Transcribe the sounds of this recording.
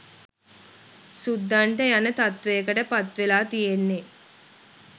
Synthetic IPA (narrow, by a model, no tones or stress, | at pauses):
sud̪ːaɳʈəjanət̪at̪ʋejəkəʈəpat̪ʋelaːt̪ijenːe